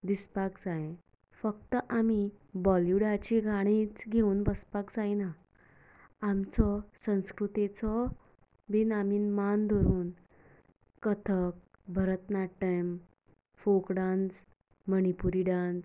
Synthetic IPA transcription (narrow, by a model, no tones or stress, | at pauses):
d̪ispakd͡zajẽ | fək̚t̪əʔamibɔljuɽat͡ɕiɡʱaɽ̃it͡sɡʱeuːnbəspakd͡zajna | amt͡sɔsə̃w̃skɾut̪et͡sɔ | ʋinamiːnmand̪ʱɔɾuːn | kət̪ʰək̚ | bʱəɾət̪naʈːəjm | fokɽãnd͡z | məɳ̃ipuɾiɽãnd͡z